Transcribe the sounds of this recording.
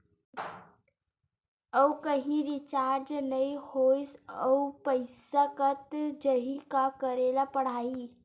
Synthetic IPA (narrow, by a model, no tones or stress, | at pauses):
əkəɦĩɾɪt͡ʃaːɾd͡ʒnəihojsəupəɪsakət̪d͡ʒəɦikakəɾelapəɽ̤aːi